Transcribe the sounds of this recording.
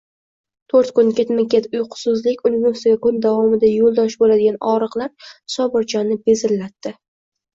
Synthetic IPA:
t̪ʰoɾt̪kʊnkʲet̪mɪkʲʰet̪ʊjqʰʊ̥sʊzlɪkʲʊnɪvost̪ɪɡʲakʊnd̪avɒmɪd̪ajolˠd̪ɒʃbolad̪ɪɡʲanɒɾɨqlˠaɾsɒbɨɾt͡ʃʰɒnɪbezɪlːat̪ːɪ

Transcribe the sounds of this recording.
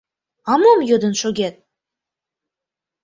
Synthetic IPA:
ɑmomjod̪ə̆nʃoɡʲet̪̚

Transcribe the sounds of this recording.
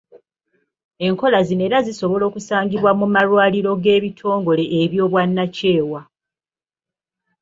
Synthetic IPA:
e̞ŋko̞lazine̞ːɾaziso̞βo̞lo̞ːkusaːɲɟiβwamumalwaːliɾo̞ɡe̞ːβitʰo̞ːŋɡo̞le̞ʔːβjo̞ːβwanːace̞ːwa

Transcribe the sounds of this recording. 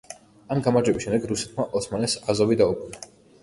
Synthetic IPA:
amɡamaɾd͡ʒɛbisʃɛmd̪ɛɡɾusɛ̥t̪ʰmaʔɔt̪sʰmanɛsazɔvid̪aukʼuna

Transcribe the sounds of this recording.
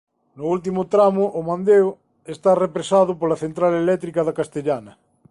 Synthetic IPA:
nʊult̪̬imʊt̪ɾamʊʔːmãnd̪eo | est̪arepɾesaðʊpolɐθent̪ɾalelɛt̪ɾikɐðakast̪eʎanɐ

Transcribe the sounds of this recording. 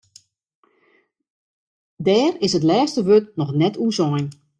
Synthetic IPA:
dɛːrɪsət̬lɛːstəʋøtnɔxnɛtʰusɔjn

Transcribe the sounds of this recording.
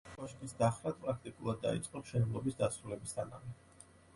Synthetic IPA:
ɔʃk̪ʼisd̪aχɾad̪̚pʼɾak̚ʰt̪ʼikʼulˠad̪ːa̰ḭt̪sʼqʼɔmʃɛnɛblˠɔbisd̪asɾulɛbist̪ʰana̰mi

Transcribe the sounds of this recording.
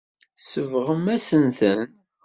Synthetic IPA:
səvʁəmæsənθən

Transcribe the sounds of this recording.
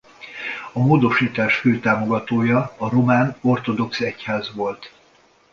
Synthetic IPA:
ɒmoːd̪o̞ʃiːt̪aːʃføːt̪aːmo̞ɡɒt̪oːjɒːɾo̞maːno̞rt̪o̞d̪o̞ksɛchaːzʋo̞lt̪

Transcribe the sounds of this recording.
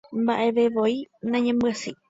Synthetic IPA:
mba̰ʔe̞ʋeʋoinãɲẽmbɨasɨ

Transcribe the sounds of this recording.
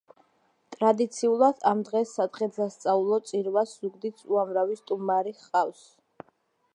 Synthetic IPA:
t̪ʼɾad̪it̪sʰiulˠad̪̥amd̪ʁɛsːad̪ʁɛt̪sast̪sʼaulˠɔt̪sʼiɾvasz̥uɡd̪it̪sʰuamɾavist̪ʼumaɾiχqʼafs

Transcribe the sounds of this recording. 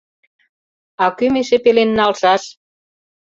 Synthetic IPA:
ɑkymeʃepelenːɑlʃɑʃ

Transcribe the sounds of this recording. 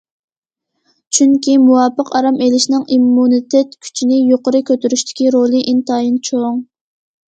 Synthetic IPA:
t͡ʃʰyŋkʲʰimuwɑpəqɑɾɑmelɪʃnɨŋimːunit̪ʰɛt̪kʲʰy̥t͡ʃʰinɪjoqəɾɨkʲʰøt̪yɾyʃt̪ʰɪ̥kʲiɾolˠɨʔint̪ɑːjint͡ʃʰoŋ

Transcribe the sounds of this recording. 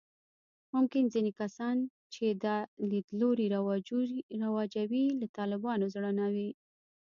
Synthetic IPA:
mʊmkɪnzinekasɑn | t͡ʃed̪alid̪loɾiɾ | ɾawɑd͡ʒawilat̪ɑlɪbɑnozɽənawi

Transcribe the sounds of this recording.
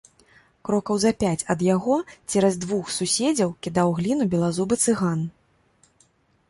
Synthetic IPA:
kɾɔkɐwzɐpʲat͡sʲɐd̪jaɣɔt͡sʲɛɾɐzʲd̪vuxsusʲɛd͡zʲɐwkʲid̪awɣlʲinubʲɛlˠazubɨt̪sɨɣan

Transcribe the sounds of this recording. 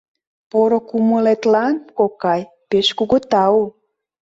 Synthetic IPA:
poɾokuməlet̪lɑnkokɑj | peʃkuɣət̪ɑu

